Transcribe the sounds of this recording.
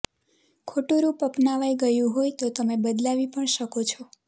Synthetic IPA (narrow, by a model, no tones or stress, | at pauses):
kʰoʈuɾupəpnaʋajɡəjũɦojt̪ot̪əmebəd̪laʋipəɳʃəkot͡ʃʰɔ